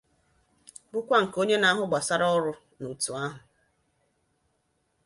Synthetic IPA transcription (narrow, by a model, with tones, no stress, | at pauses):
bʊ˦kʷa˦ŋ̩˨ko˦ɲe˦na˦ɦʊ˦ɡ͡ba˨sa˦ɾɔ˦ɾʊ˦ | nu˨tu˨a˦ɦʊ˨